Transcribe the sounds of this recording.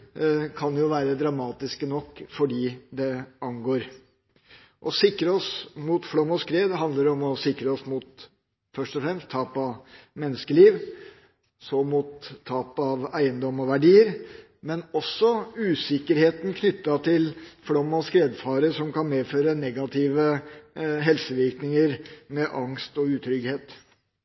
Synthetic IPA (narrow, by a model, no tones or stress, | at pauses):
kʰɑnjʊʋæːɾəd̪ɾɑmɑːt̪ɪskənɔkːfɔɖiːd̪ɛɑnɡoːɾ | ʔɔsɪkːɾəɔsmuːt̪flɔmːɔskɾeːd̪hɑnd̪ləɖ̪ɔmɔsɪkɾəɔsmut̪ | fœʂʈɔfɾɛmst̪ʰːɑːpɑʋmɛnːəskəliːʋ | sɔmuːt̪ʰːɑːpɑʋæɪənd̪ɔmːɔʋæɖiːəɾ | mɛnɔsːɔʉːsɪkːəɾheːt̪n̩kʰnʏt̪ːɑt̪ʰɪlfɽɔmːɔskɾeːd̪fɑːɾəʂɔmkɑnmeːføːɾənɛɡɑt̪ʰiːʋə | ɦɛlsəʋɪɾknɪŋəɾmɛʔɑŋst̪ɔʉːt̪ʰɾʏɡheːt̪